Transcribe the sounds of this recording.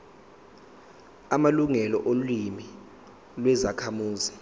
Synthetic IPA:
amaluŋɛlɔ̰ʔolwimi | lwɛzakʰamuːzi

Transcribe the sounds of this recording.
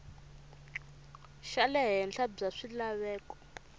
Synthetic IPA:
ʃalɛɦɛnɬʰab͡ʐaʂilaβɛːkɔ̥

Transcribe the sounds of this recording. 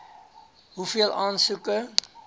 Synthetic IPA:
ɦufiəlˠɑːnsukə

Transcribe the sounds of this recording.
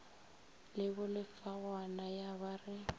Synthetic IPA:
lɪbʊlɪfaɣanajabarɪ

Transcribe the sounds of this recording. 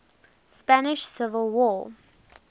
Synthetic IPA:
spænɪʃsɪvəlˠwɔ

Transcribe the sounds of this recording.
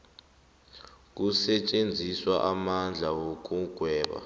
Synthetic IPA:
k̬usɛt͡ʃʼend͡zʱiswaʔamand͡ɮʱaok̬ʼuɡ̥ʱwɛːɓa̰

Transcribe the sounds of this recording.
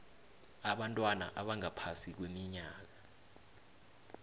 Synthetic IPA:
aɓantʼwana̰ʔaɓaŋapʰasik̬wemiɲaːk̬a

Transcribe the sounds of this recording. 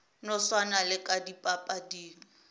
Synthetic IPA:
nʊswanalɪkʼadipʼapʼadiːŋ̩

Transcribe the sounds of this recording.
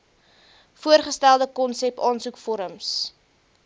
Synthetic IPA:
fuərχəstælˠdəkɔnsɛpɑːnsukfɔɾəms

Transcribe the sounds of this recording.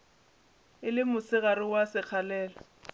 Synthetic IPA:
ɪlɪmʊsɪɣaɾɪwasɪk͡xʰalɛːla

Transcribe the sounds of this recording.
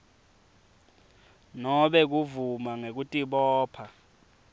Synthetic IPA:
nɔɓɛk̬uvumaŋek̬utʼiɓɔːpʰa

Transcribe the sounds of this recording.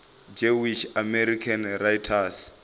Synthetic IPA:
d͡ʒewiʃamɛɾikʰanrajtʰas

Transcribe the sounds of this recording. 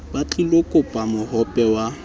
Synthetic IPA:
bat͡ɬʼilokʼʊpʼamʊhɔpʼɛwa

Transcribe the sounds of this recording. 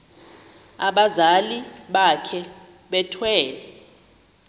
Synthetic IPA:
aɓazaliɓakʰɛ | ɓɛtʰwɛːlɛ

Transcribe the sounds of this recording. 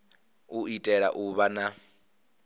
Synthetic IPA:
uitʼɛɺa̰ʔuβana

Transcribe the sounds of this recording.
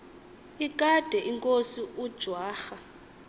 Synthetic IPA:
ikʼad̥ʱɛʔiŋkʼosiud̥ʒ̥ʱwaːxa

